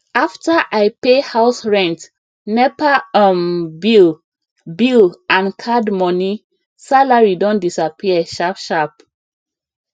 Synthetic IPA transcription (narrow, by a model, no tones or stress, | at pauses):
aftaʔaɪpehaʊsɹɛ̃nt | nɛpaɔmbil | bilãnkʰadmɔni | salaɹidõndisapʰiəʃapʃap